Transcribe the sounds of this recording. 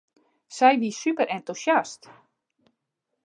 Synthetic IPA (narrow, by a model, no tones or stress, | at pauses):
sɛjʋisypəɾɛntusjast